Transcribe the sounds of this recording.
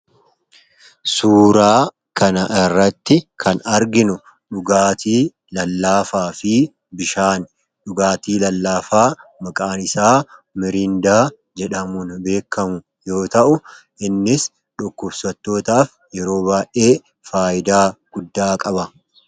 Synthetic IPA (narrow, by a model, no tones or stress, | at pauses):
suːɾaː | kɐnɐʔɪrːɐt̪ːɪkʰɐnɐɾɡɪnʊ | ɗʊɡaːt̪iː | lɐlːaːfaːfɪ | bɪʃaːn | ᶑʊɡaːt̪iːlɐlːaːfaːmɐkʼaːnɪsaːmɪɾɪnd̪aː | d͡ʒɛᶑɐmʊnbe̞ːkːɐmʊ | jo̞ːt̪ɐʔʊ | ʔɪnːɪs | ᶑʊkːɔbsɐt̪ːo̞ːt̪aːf | jɛɾo̞ːbaːʔe̞ː | faːʔɪd̪aːɡ̥ʊd̪ːaːkʼɐbɐ